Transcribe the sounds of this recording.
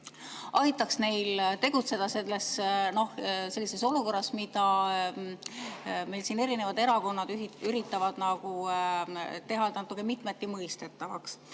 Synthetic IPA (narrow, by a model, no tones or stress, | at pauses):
ʔɑjt̪ːˑɑksne̞jlt̪e̞ɡ̥ut̪se̞d̪̥ɑse̞lːe̞sno̞hse̞lːise̞so̞luko̞rːɑsmid̪̥ɑ | me̞jlsiːne̞ɾine̞vɑd̪e̞ɾɑko̞nːɑd̪yɾit̪ːˑɑvɑd̪̥nɑɡ̥u | t̪e̞ɦɑlt̪nɑt̪ːˑukːˑemit̪met̪ːˑimɤjst̪e̞t̪ːˑɑvɑks